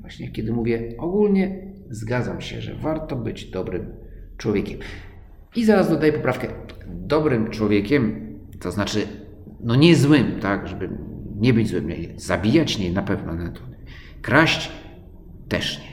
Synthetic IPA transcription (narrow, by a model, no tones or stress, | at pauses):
vwaɕɲɛkʲɛd̪ɘmuvʲjɛɔɡulɲɛ | zɡad̪zamɕɛ̰ʐɛ̰vaɾt̪ɔbɘd͡ʑd̪ɔbɾɘm | t͡ʂwɔvʲjekʲɛm | izaɾazd̪ɔd̪ajɛpɔpɾafkɛd̪ɔbɾɘmt͡ʂwɔvʲjɛkʲɛm | t̪ɔznat͡ʂɘ | nɔɲɛzwɘmt̪akʐɛbɘɲɛbɘd͡ʑzwɘmɲɛ̰zabʲijat͡ɕɲɛnapɛvnɔnɛt̪ɔɛ | kɾaɕt͡ɕ | t̪ɛ̰ʂɲɛ